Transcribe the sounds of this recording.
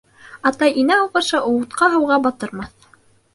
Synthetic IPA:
ɑt̪ɑjinæɑw̪ˠʁɑ̆ɾʃɑʔŏwŭt̪qɑɦɤ̆wʁɑbɑt̪ɤ̆ɾmɑθ

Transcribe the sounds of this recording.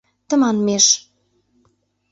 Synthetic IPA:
t̪ə̆mɑnmeʃ

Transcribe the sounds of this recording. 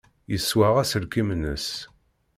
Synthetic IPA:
jəsːwaʁæsəɾkimnə̰s

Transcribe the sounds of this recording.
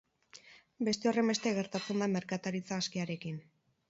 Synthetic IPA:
be̞st̪e̞o̞re̞mbet̪e̞ɣe̞ɾt̪at͡sename̞ɾkat̪aɾit͡saːskiaɾe̞kin

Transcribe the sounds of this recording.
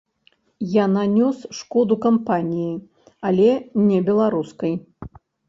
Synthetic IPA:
jananʲɔsʂkɔd̪ukampanʲiji | alʲɛnʲɛbʲɛlˠaɾuskɐj

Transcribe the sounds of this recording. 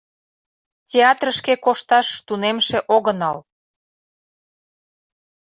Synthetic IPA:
tʲeɑt̪rəʃkekoʃt̪ɑʃt̪unemʃeʔoɣənɑl

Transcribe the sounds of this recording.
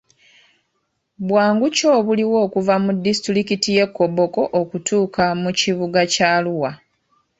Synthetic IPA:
bwaːŋɡuco̞ːβuliwo̞ːkuvamudːistɾikitije̞kːo̞bo̞ko̞ʔokutʰuːkʰamuciβuɡacaːluwa

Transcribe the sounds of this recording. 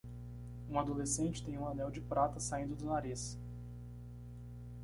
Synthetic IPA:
ũad̪olesẽnt͡ʃɪ̥t̪ẽj̃ũanɛwd͡ʒɪpɾat̪ɐsaĩnd̪ʊd̪ʊnaɾis

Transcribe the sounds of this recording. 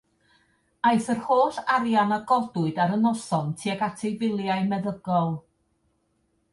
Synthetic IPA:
ajθərhoːθaɾjanaɡɔdʊɨdaɾənɔsɔntʰiɛɡatʰevɪlˠjaɨmɛðəɡɔlˠ

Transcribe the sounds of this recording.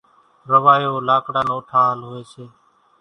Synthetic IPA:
ɾəʋaːjoːlaːkɽaːnoːʈʰaːlɦoːeːseː

